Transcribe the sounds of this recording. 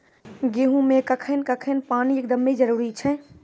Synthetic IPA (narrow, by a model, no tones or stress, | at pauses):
ɡeːɦũmẽkəkʰənkəkʰənpaːniekd̪əmːed͡ʒəɾuːɾit͡ʃʰɛ